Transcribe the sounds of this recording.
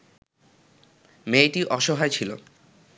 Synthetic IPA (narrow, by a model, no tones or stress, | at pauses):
meʈiʔɔʃɔɦaet͡ɕʰilo̰